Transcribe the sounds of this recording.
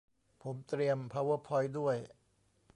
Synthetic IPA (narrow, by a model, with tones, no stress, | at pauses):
pʰo˩˦mt̪ɾi˧əmpʰa˧wɤ˦˥pʰːɔ˧jdu˥˩əj